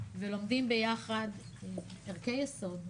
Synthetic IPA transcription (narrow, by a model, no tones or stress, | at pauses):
velo̞mdimbe̞jaχad̪ | eʁkejeso̞d